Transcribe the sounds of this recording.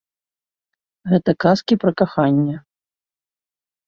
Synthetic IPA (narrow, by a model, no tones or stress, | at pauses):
ɣɛt̪ɐkaskʲipɾɐkaxanʲːɛ